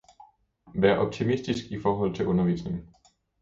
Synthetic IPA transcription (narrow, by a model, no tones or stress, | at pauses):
ʋæɐʔɒ̽b̥̚t͡sʰimisd̥isɡ̥ifɒːɦɒ̽l̰t͡sʰe̝lʔɔ̽nɐʋḭːsne̝ŋn̩